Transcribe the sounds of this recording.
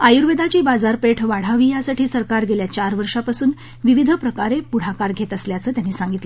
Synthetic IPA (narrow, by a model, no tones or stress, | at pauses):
ajuɾʋed̪at͡ɕiːbad͡zaɾpeʈʰʋaɽ̤aʋiːjasaʈʰiːsəɾkaɾɡeljat͡ɕaɾʋəɾʂapasuːn | ʋiʋid̪ʱəpɾəkaɾepuɽ̤akaɾɡʱet̪əsljat͡səːt̪janiːsãŋɡit̪lə